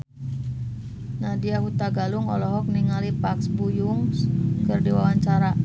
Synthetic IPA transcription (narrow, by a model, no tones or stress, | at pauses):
nadiaɦut̪aɡaluŋɔ̰lɔɦɔk̚niŋalipaksbujuŋkərdiwawaɲt͡ʃaɾa